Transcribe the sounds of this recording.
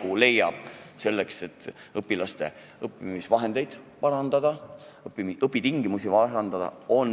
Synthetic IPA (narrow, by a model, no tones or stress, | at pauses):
ule̞jːɑb̥se̞lːe̞kse̞t̪ːɤpːˑilɑst̪e̞̰ | ɤpːˑimisvɑɦe̞nd̪̥e̞jd̪̥pɑɾɑnd̪ɑd̪̥ɑiɤpːˑit̪iŋɡimusivɑɑnd̪̥ɑd̪ɑ̰o̞n